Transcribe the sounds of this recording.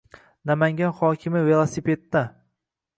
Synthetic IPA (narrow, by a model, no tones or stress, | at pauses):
namaŋʲanχɒkʲʰɪmɪve̞lˠasipe̞t̪ːa